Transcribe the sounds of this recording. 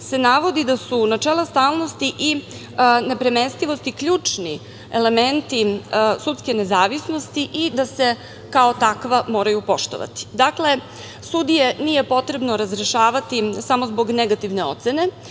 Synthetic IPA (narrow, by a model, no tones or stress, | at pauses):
se̞naʋo̞d̪id̪asunat͡ʃeːlast̪aːlˠno̞st̪iʔi | ne̞pɾemenst̪iʋo̞st̪ikʎʲuːt͡ʂni | ele̞ment̪isut̪skene̞zaːʋisnost̪iʔid̪ase̞ | kao̞t̪akʋamo̞ːɾajupo̞ʃt̪oʋa̰t̪i̥d̪akle̞ | sud̪ije̞nije̞po̞t̪ɾe̞bno̞ɾazɾeʃaːʋat̪isamo̞zbo̞ɡneɡat̪iʋne̞o̞̰t̪se̞ne̞